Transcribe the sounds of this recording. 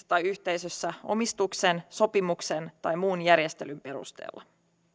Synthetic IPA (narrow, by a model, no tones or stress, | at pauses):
t̪ɑjyçt̪e̞jsøsːæo̞̰mist̪ukse̞nso̞pimuksent̪ɑjmuːnjærje̞st̪e̞lympe̞ɾṵst̪ḛːlːɑ